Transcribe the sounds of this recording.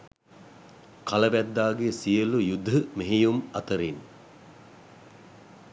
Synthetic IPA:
kʰaləʋæd̪ːaːɡesijəlujud̪ʱːəmeɦijumɐt̪əɾin

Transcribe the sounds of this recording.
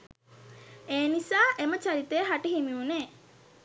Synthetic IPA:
eːnisaːʔemət͡ʃaɾit̪eːɦaʈiɦimiuneː

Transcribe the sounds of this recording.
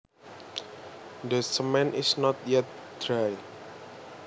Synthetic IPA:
d̪əsəmɛ̃nʔisnɔt̪̚jɛt̪̚dɾaj

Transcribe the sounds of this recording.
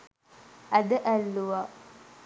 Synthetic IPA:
ʔæd̪əʔælːuʋa

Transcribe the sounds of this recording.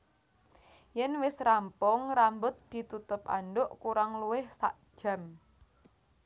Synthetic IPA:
jɛnwɪsrampʊŋrambʊt̪̚d̪̥i̤t̪ut̪ʊpa̰nɖʊʔkuɾaŋluwɪhsa̰ʔd̥ʒ̥a̤m

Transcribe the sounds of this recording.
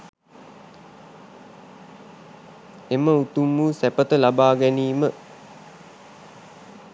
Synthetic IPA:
eməut̪umːuːsæpət̪əlabaːɡæniːmə

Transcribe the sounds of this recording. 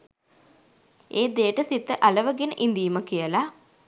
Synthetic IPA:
eːd̪ejəʈəsit̪ːəʔaləʋəɡenəʔind̪iːməkijəla

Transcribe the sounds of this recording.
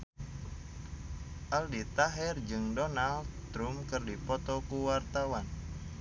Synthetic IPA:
ʔaldit̪aɦɛrd͡ʒɨŋdɔnalt̪ɾumkɨrdipɔt̪ɔkuwart̪awan

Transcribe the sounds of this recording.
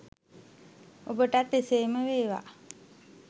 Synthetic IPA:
obəʈat̪ːeseːməʋeːʋa̰

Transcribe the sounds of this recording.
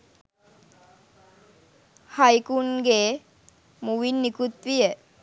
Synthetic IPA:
hajkunɡe | muʋinːikut̪ʋijə

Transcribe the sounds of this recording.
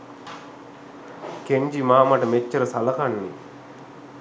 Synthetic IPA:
keɲd͡ʒimaːmɐʈɐmet͡ʃːɐɾɐsɐlɐkɐnːḭ

